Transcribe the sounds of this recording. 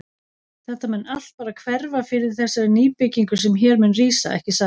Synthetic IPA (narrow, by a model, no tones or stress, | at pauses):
θɛht̪ːamɛnːal̥t̪̚paːɾakʰvɛɾvafɪɾɪɾ̥θɛsaɾɪniːpɪcːiŋkʏ̥sɛmçɛːɾmʏnriːsa̰ɛ̰hcɪsa